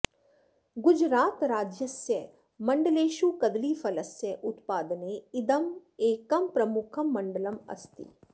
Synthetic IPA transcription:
ɡʊd͡ʒɾaːt̪ɾaːd͡ʒjɐsjɐ | mɐɳɖɐleːʃuːkɐd̪liːfɐlɐsjɐʔʊt̪paːd̪ɐneɪd̪ɐmeːkɐmpɾɐmʊkʰɐmːɐɳɖɐlɐmɐ̰st̪ḭ

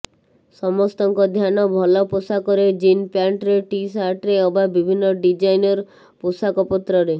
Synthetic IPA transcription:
sɔmɔst̪ɔŋkɔd̪ʱjanɔbʱɔlɔposakɔɾed͡ʒinpjaɳʈɾeʈisaɾʈɾeobabibʱinːɔɖid͡ʒajnɔɾ | posakɔpɔt̪ɾɔɾe

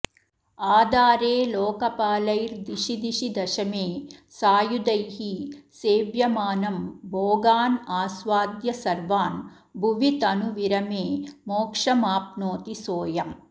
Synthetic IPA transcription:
aːd̪aːɾeːloːkɐpaːlɐjɾd̪iʃid̪iʃid̪ɐʃɐmeːsaːjud̪ɐjhiseːʋjɐmaːnɐmboːɡaːnaːsʋaːd̪jɐsɐɾʋaːn | bʱuʋit̪ɐnuʋiɾɐmeːmoːkʂɐmaːp̚noːt̪isoːjɐm

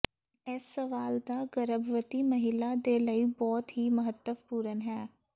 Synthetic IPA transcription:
ɛsːəʋaːld̪aːɡəɾəbʋət̪iːməɦɪlad̪eːləiːbɔːt̪ɦiːməɦət̪ːəʋpuːɾənɦɛː

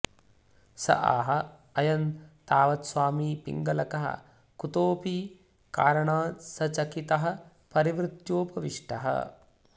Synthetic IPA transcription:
sɐ̰ʔa̰ːɦɐɐjɐnt̪aːʋɐt̪swaːmiːpḭŋɡɐlɐkɐɦɐ̰ | kut̪oːpiː | kaːɾɐɳaːsɐt͡ʃɐkit̪ɐɦɐ | pɐɾiʋɾɪt̪joːpɐʋiʂʈɐɦɐ̰

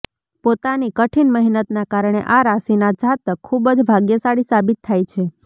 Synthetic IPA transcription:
pot̪anikəʈʰinməɦinət̪nakaɾɳ̃ḛʔaɾasinad͡ʒat̪əkʰːubd͡ʒbʱaɡjəsaɽisabit̪ʰːajt͡ʃʰe

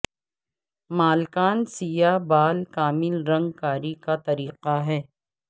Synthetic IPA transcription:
maːlkaːnsijabaːlkaːmɪlɾɐ̃ŋɡ̚kaːɾikat̪ɐɾiːqaɦɛː

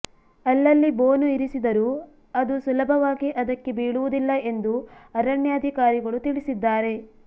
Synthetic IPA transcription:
ɐlːɐlːiboːnuiɾisid̪ɐɾu | ɐd̪usulɐbʱɐʋaːɡiʔɐd̪ɐkːe̞biːɭuʋud̪ilːɐʔe̞nd̪uɐɾɐɳjɐːd̪ʱikaːɾiɡɐɭut̪iɭisid̪ːaːɾe̞

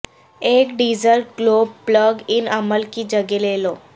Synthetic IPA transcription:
ekɖizəɾʈ̚ɡlobpləɡinəməlkiːd͡ʑəɡelelo

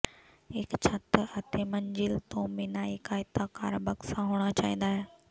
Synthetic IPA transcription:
ɦɪkt͡ɕʰət̪ɐt̪emɐɲd͡ʑɪlt̪õːmɪnaːikaːɪt̪aka̰ːɾbɐksãɦoːɽ̃at͡ɕa̰ːĩːn̆d̪aːɦeː

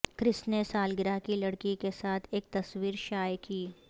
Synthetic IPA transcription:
kɾɪsnesaːlɡɪɾakilɐɽkikesaːt̪ʰeːk̚t̪ɐswiːɾʃaːjkiː

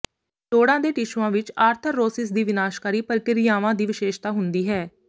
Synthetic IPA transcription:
ʈoːɽãːd̪eːʈɪʃʋãːʋɪt͡ʃaːɾt̪ʰəɾːoːsɪs̬d̪iːʋɪnaːʃkaːɾiːpəlkɪɾɪjaːʋãːd̪iːʋɪʃeːʃt̪aːɦʊnd̪iːɦɛː

